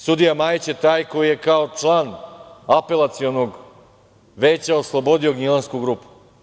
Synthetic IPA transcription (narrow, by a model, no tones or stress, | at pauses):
sud̪ijamaːjit͡ɕet̪aːjko̞jije̞kao̞t͡ʂlˠaːnape̞lˠat̪sio̞noɡ | ʋeːt͡ɕaoslˠo̞bo̞d̪io̞ɡɲilˠanskuɡɾuːpu̥